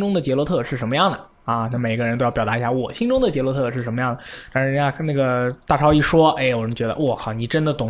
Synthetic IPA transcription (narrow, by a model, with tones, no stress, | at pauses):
ʈ͡ʂʊ˥ŋd̪ə˨t͡ɕjɛ˧˥lwɔ˧˥t̪ʰɤ˥˧ʂɻ̩˥˩ʂə˧˥mə˧jɑ˥˩ŋd̪ə˩ | a˥˧na˥˩me˨˩ɪi˥ə˧˥nt̪o˥ʊjpɑ˨˩a˧˥i˧˥ɕja˥˩wɔ˨˩ɕi˥ŋʈ͡ʂʊ˥ŋd̪ə˨t͡ɕjɛ˧˥lwɔ˧˥t̪ʰɤ˥˧ʂɻ̩˥˩ə˧˥nmə˧jɑ˥˩ŋd̪ə˩t̪a˧˥nʂɻ̩˧˥a˥˧˥na˥˩ɡə˩t̪a˥˩ʈ͡ʂʰɑ˥ʊi˥˩ʂwɔ˥e˥˩ɪwɔ˨˩ɻə˥t͡ɕɥɛ˧˥d̪ə̰˧ʔwɔ˥˩kʰɑ˨˩ni˨˩ʈ͡ʂə˥nd̪ə˨t̪ʊ˨˩ŋ